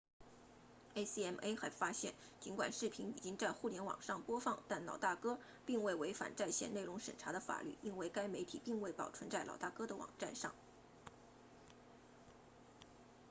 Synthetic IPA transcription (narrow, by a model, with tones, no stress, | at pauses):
e˥ɪsi˥ɛ˥˩me˥ɪxa˧˥ɪfa˥ɕjɛ˥˩n | t͡ɕi˧˥nkwa̰˨˩nʂɻ̩˥˩pʰi˧˥ni˨˩t͡ɕi˥ŋt͡sa˥˧ɪxu˥˩ljɛ˧˥nwɑ̰˨˩ŋʂɑ˥˩ŋpwɔ˥fɑ˥˧ŋt̪a˥˩nlɑ˨˩ʊt̪a˥˩kɤ˥ | pi˥˧ŋwe˥˩ɪwe˧˥ɪfa̰˨˩nt͡sa˥˧ɪɕjɛ˥˧ne˥˩ɪʊ˧˥ŋʂə̰˨˩nʈ͡ʂʰa˧˥d̪ə˧fa̰˨˩ly̰˥˩i˥nwe˥˩ɪka˥ɪme˧˥ɪt̪ʰi˨˩pi˥˧ŋwe˥˩ɪpɑ˨˩ʊʈ͡ʂʰwə˧˥nt͡sa˥˩ɪlʔɑ˨˩ʊt̪a˥˩kɤ˥d̪ə˨wɑ̰˨˩ŋʈ͡ʂa˥˧nʂɑ˥˩ŋ